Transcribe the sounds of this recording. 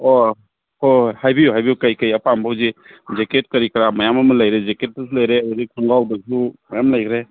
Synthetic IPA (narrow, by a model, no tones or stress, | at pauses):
o | ohajbiɦajbiukajkajɐpʰambʰʱawzi | zeket̚kɐɾikɾamɐjamamɐlajɾezeket̚ːɐslajɾeaɾikʰuŋɡawdasʰumajamlajkʰɾe